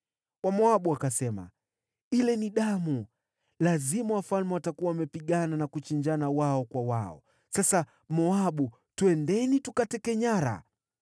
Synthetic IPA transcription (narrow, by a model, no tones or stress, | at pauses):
wamɔaɓuakasɛma̰ | ilɛniɗamu | lazimawafalmɛwatakuwaamɛpiɠananakut͡ʃiɲd͡ʒanawaɔkwawaɔ̰ | sasa | mɔaɓu | tuɛndɛnitukatɛkɛɲaɾa̰